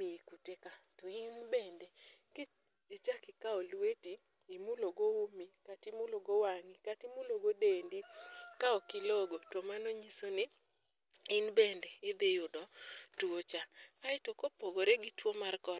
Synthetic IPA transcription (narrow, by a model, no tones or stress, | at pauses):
mikutekatoɪnbɛndɛkɪ | ɪt͡ʃakɪkaɔlwetiː | muloɡoomikatɪmʊloɡowaŋikatimuloɡodendikaɔkɪloɡotomanoɲisonɪ | ɪnbɛndɛɪd̪ejodɔtuot͡ʃaaɪtokopoɡoɾeɡɪtwomarkɔ